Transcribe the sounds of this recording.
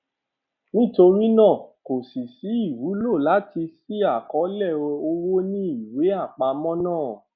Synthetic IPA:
nĩ˦to˧ɾi˦nã˦˨ko˨si˨si˨˦i˦˨wu˨˦lo˦˨la˨˦ti˧si˦a˦˨kɔ˨˦lɛ˦˨o˧wo˦nĩ˦i˨we˨˦a˦˨k͡pa˧mɔ̃˦nãː˦˨

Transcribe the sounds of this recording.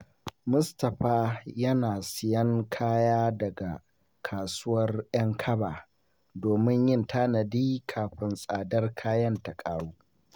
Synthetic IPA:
mʊ˦stɐ˨ɸaː˦jɐ˦naː˨sɪ˨jɐ˦ŋkʰaː˦jaː˦dɐ˨ɡa˨ | kʰaː˨sʊ˦wɐ˦rj̰ɐ˦ŋkʰɐ˦baː˨ | doː˨mɪ˦ɲjɪ˦ntʰaː˦nɐ˨diː˦kʰaː˨ɸɪ˦nsʼaː˨dɐ˦rkʰaː˦jɐ˦ntɐ˨kʼaː˦ɽuː˦

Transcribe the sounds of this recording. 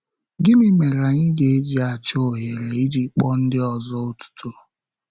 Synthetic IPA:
ɡɪ˦mi˦me˨ɾa˨ɲɪ˦ɡe˨e˦d͡ʒi˨˦a˨t͡ʃo˦˨ɦe˨ɾe˨i˦d͡ʒi˦k͡pɔ˦n̩˦dɪ˦ɔ˨zɔ˦o˦tu̥˦tʰu˦

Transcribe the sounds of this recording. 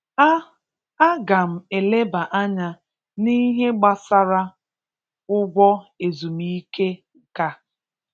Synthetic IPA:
a˦ɡa˨m̩˨e˨le˦ba˨ʔa˦ɲa˦ | ni˦ɦe˦ɡ͡ba˦sa˦ɾa˦ | ʊ˦ɡʷɔ˦e˨zu˨mi˦ke˦ | ka˨

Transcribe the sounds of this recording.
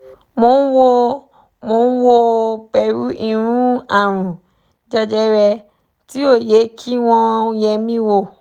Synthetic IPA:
mo˨˧˦n˦wo˦ | mo˧˦n̩˦wo˦k͡pɛ˧˨ɾu˦i˦˨ɾ̃ũ˦a˨ɾ̃ũ˨ | d͡ʒɔ˦d͡ʒɛ˦ɾɛ˧ | ti˦o˦˨je˨˦kʰi˦w̃ɔ̃˧˦jɛ˧mĩ˦wo˧

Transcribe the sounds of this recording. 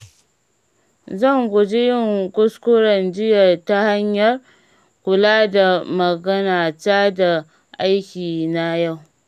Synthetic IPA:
zɐ˦˨ŋɡʷʊ˨d͡ʒe˦jɪ˦˨ŋkʷʊ˦skʷʊ˦ɾɐ˨nd͡ʒɪ˦jɐ˨rta˦ha˦ɲjɐ˨r | kʷʊ˨laː˦da˨mɐ˨ɡɐ˦naː˨taː˦da˨ | ʔa˦jkʲiː˨na˦ja˦˨w

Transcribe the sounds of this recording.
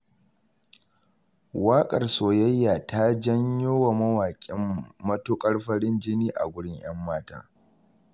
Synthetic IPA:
waː˦kʼɐ˨rsoː˨jɐ˦jːaː˨ta˦d͡ʒɐ˦ɲjoː˦wa˨mɐ˦waː˨kʲʼɪ˦mːɐ˦toː˦kʼɐ˦ɽɸɐ˦ɽɪ˦nd͡ʒɪ˦niː˦ʔa̰˨ɡʷʊ˦ɽɪ˦ɲj̰ɐ˦mːaː˦ta̰ː˦

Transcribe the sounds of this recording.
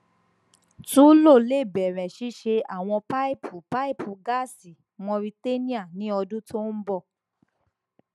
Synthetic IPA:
tu˦lo˦˨le˦˨bɛ˨ɾɛ̃˨ʃi˨˦ʃe˧a˦˨w̃ɔ̃˧pa˦i˦˨pʰu˨pa˦i˦˨pʰu˨ɡa˦˨si˨ | w̃ɔ̃˧ɾi˧te˦nĩ˦a˦˨nĩ˨˦ɔ˧dũ˦tʰo˦n̩˦bɔ˦˨

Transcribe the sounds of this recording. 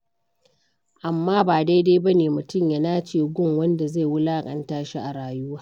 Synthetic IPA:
ʔa˨mːaː˦baː˨da˦jda˦jbɐ˦neː˨mʊ˨tʊ˦˨mjɐ˦naː˦t͡ʃeː˦˨ɡʷʊ˦˨ŋwɐ˦nda˨za˦˨wʊ˦laː˦kʼɐ˨ntaː˦ʃi˦ʔa˨ɽaː˨ju˦waː˦

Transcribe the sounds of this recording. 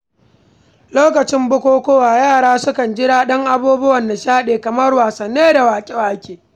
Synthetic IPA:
loː˦kɐ˨t͡ʃɪ˦mbʊ˦kʷoː˦kʷoː˦waː˨jaː˦˨ɽaː˦sʊ˦kɐ˨nd͡ʒɪ˦ɽaː˦ɗɐ˦ŋʔa˦buː˦bʊ˦wɐ˨nda˨ʃaː˦ɗeː˨kɐ˨mɐ˦rwaː˨sɐ˨nːeː˦da˨waː˨kʲʼe˦waː˦kʲeː˨

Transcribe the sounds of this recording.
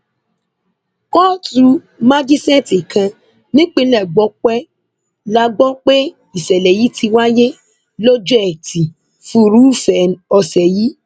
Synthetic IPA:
kɔ˦tu˧˦ | mã˦d͡ʒi˦sɛ̃˦ti˨kʰã˧ | nĩ˦k͡pe˧lɛ˦˨ɡ͡bɔ˧˦k͡pɛ˦ | la˧ɡ͡bɔ˦k͡pe˦ | i˨sɛ˨lɛ˨ji˨˦ti˧wa˦je˦ | lo˦d͡ʒu˦ɛ˨ti˨ | fũ˦ɾu˨˦˨fɛ˨ɔ˧sɛ˨ji˨˦

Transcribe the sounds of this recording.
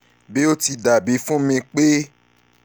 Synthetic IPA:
be˦o˦ti˧da˨bi˨˦fũ˦mĩ˧k͡pe˦

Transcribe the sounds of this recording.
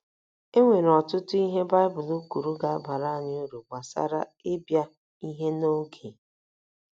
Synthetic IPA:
e˦ŋʷe˨ɾɔ˨tʊ˦tʊ˦i˦ɦe˦ba˦ɪ˦bʊ˨lu˦ku˨ɾu˦ɡa˨a˦ba˨ɾa˦a˦˨ɲɪ˦o˦ɾu˨ɡ͡ba˨sa̰˦ɾa̰˦e˦bja˦ | i˦ɦe˦no˦ɡʰe˨

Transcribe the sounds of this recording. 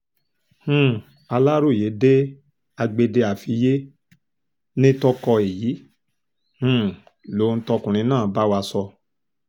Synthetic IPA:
h̩˦˨ | a˧la˦ɾo˦˨je˨˦de˦ | a˧ɡ͡be˧de˧a˨fi˧˦je˦ | nĩ˦tɔ˧kɔ˧e˨ji˨˦ | h̩˦˧˨ | lo˨˦n̩˦tɔ˧kũ˨ɾ̃ĩ˨˧˦nãː˦˨˦ba˦wa˧sɔ˧

